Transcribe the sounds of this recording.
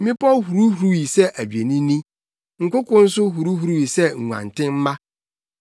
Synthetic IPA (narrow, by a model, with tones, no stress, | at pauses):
mɪ̃˦pʰɔ˦hu˨ɾu˦hu˨˦ɾu˦wi˨sɛ˦ʔæ˨d͡ʑᶣe˨nĩ˦nĩ˦ | ŋ̩˨kʊ˦kʰʊ̃˦n̩˦s̬ʊ˦ɦu˨ɾu˦hu˨ɾu˦wi˨sɛ˦ŋ̩˨ŋʷ˨ã̰˨ntʰɪ̃˦m̩˦mã˦